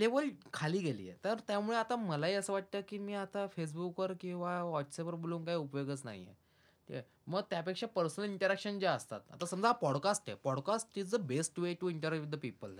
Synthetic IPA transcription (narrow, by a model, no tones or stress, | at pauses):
leʋəlkʰaliːɡelḭjḛt̪əɾt̪jamuɭeat̪aməlaɦiːəsəːʋaʈ̚t̪əːkiːmiːat̪afes̬bukəɾkĩw̃ʋaʋɔʈsepəɾboluːŋkaɦiːupjoɡət͡sna̰ɦḭjḛ | t̪i | məɡ̚t̪japekʂapəɾsənəliɳʈəɾakʂənd͡ʑaəst̪a̰t̪a̰t̪asəmd͡zʱaapɔɽkasʈḛpɔɽkasʈid͡zd̪əbesʈʋeʈuiɳʈəɾakʋid̪əpipəl